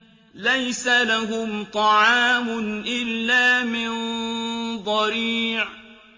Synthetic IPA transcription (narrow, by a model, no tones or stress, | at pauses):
lajsalaɦʊmt̪ˤɑʕɑːmʊnʔɪlːaːmɪn | d̪ˤɑɾiːʕ